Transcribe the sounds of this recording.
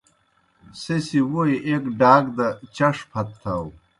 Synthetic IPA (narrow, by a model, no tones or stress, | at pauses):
sesiwoiʔekɖaːɡd̪ɐt͡ɕɐʂpʰɐt̪ʰːɐw